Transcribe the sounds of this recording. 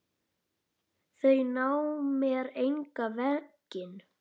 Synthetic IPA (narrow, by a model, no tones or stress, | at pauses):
θejnawmjɛɾejŋkavɛcɪn